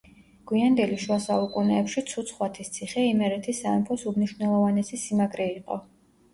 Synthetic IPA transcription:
ɡ̥wiand̪ɛliʃwasaukʼunɛːpʃit̪sʰut̪sʰχwat̪ʰist̪sʰiχɛimɛɾɛt̪ʰisːaɛmpʰɔsumniʃvnɛlˠɔvanɛsisimakʼɾɛiqʼɔ̰

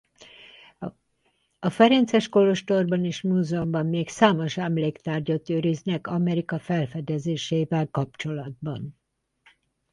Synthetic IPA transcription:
ɒfɛɾɛnt̪sɛʃkolo̞ʃt̪o̞rbɒneːʃmuːzɛumbɒmːeːksaːmo̞ʃɛmleːkt̪aːrɟot̪øːɾiznɛkɒmɛɾikɒfɛlfɛd̪ɛzeːʃeːvɛlkɒp̚t͡ʃo̞lɒd̪̚bɒn

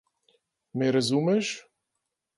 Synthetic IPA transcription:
meɾɛzumɛʃ

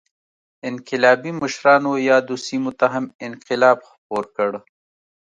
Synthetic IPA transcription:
ɪnqɪlɑːbiməʃɾɑːnojɑːd̪usimut̪aɦamɪnqɪlɑːbxpoːɾkəɽ

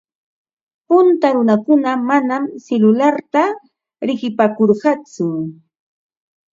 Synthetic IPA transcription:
pʊnt̪aɾʊnakʊnamanamselʊlaɾt̪a | ɾɪɢɪpakoɾɢɑt͡sʊ

